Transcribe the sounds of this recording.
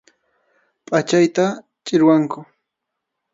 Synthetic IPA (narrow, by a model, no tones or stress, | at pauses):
pʼat͡ʃajt̪a | t͡ʃʼɪɾwaŋkʊ